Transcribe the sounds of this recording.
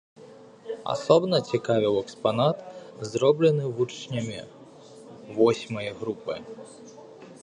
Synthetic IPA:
a̰sɔbnɐt͡sʲikavʲiwɛkspanat̪zɾɔblʲɛnɨvut͡ʂnʲɐmʲi | vɔsʲmɐjɐɣɾupɨ̰

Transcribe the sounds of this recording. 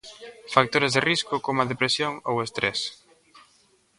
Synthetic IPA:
fak̚t̪oɾezðeriskʊkomɐðepɾesjoŋowest̪ɾɛs

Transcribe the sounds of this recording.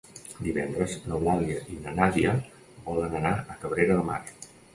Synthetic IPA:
d̪iβɛnd̪ɾəznəwmalˠiəʔinənaziə | bɔlənənaəkəβɾeɾəðəma̰t͡ʃ

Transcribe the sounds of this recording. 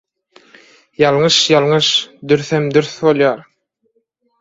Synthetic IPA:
jɑlˠŋɯʃjɑlˠŋɯʃd̪yɾθemd̪yɾθβo̞lˠjɑːɾ

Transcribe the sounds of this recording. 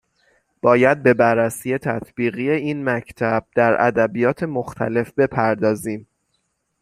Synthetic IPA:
b̥ɒːjæd̪̚be̞bærːæsiːje̞t̪ʰæt̪ʰb̥iːɣiːje̞iːnmæcʰt̪ʰæb̥̚d̪̥æɾʔæ̰d̪æbijɒːt̪ʰe̞moxt̪ʰæ̰le̞fbe̞pʰæɾd̪ɒːziːm

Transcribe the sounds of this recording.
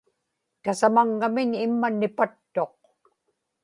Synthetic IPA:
t̪asamaŋːamɪɲɪmːanɪpat̪ːo̞q̚

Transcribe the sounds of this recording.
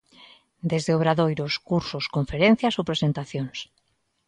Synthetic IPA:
d̪ezðeoβɾaðojɾoskuɾsoskoɱfeɾẽn̟θjasowpɾesent̪aθjoŋs

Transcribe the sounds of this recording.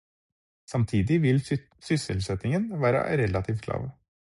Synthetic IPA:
sɑmt̪ʰiːd̪ɪʋɪl | sʏsəlsɛt̪ɪŋənʋæːɾə̰ɾɛlɑt̪ʰiːft̪̚kʰlɑ̰ːʋ

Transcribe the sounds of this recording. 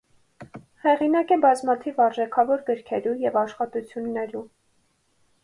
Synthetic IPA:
hɛʁinɑkɛbɑzmɑt̪ʰivɑɾʒɛkʰɑvɔɾɡəɾkʰɛɾujɛvɑʃχɑt̪ut͡sʰjunːɛɾu

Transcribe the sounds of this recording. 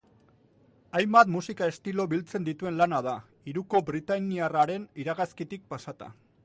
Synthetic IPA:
ajmbat̪musikae̞st̪ilo̞βilt͡se̞nd̪it̪ue̞nlanað̞a | iɾuko̞bɾit̪aniaraɾe̞niɾaɣaskit̪ik̚pasat̪a̰

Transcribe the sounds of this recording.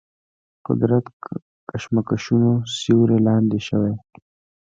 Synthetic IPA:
qʊ̰d̪ɾat̪ | kaʃmakaʃunosiwɾelɑːnd̪eʃəwe

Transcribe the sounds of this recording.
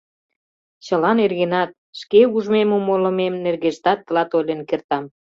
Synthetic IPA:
t͡ɕə̆lɑnerɣenɑt̪̚ʃkeuʒmemomolə̆memnerɣeʃt̪ɑt̪ːəlɑt̪olʲenkert̪ɑm

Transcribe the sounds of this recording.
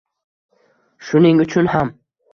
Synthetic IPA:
ʃʊnɪŋʊt͡ʃʰʊnham

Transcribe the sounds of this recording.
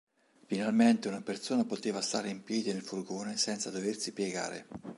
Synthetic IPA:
finalment̪eunapersoːnapot̪eːvast̪aːɾeimpjɛːd̪inelfurɡoːnesɛnt̪sad̪oversipjeɡa̰ːɾḛ

